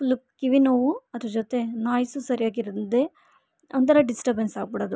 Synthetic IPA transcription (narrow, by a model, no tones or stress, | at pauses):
plukkiʋinoʋuɐd̪ɾud͡ʒot̪e̞naːjsusɐɾijaːɡiɾd̪ɐnd̪e | ɐnt̪ɐɾɐɖisʈɐɾbensaːɡ̚biɽoːd̪u